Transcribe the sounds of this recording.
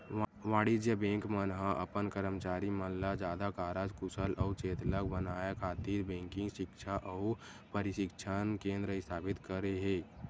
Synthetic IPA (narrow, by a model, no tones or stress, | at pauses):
ʋaːɽid͡ʒjəbẽːŋkmənɦaʔə̰pənkəɾəmt͡ʃaːɾiməllːad͡ʒaːd̪akaːɾaːd͡ʒkʊsəlʔɔːt͡ʃeːt̪lək̚bənaːjakʰaːt̪iːɾbẽːŋkɪ̃ŋɡʃɪkʃʰaʔɔː | pəɾɪʃɪkʃʰankẽːnd̪ɾəɪst̪ʰaːbɪt̪kəɾeɦẽː